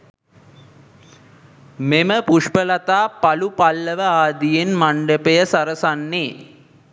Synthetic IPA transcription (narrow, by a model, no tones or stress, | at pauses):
meməpuʂpəlat̪aːpalupalːəʋəaːd̪ijenmaɳɖəpejəsaɾəsanːeː